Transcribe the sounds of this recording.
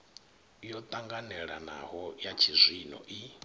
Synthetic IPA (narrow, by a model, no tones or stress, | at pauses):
jɔt̪ʼaŋɡanɛɺana̰ɦɔjat͡ʃʰizʷinɔ̰ʔi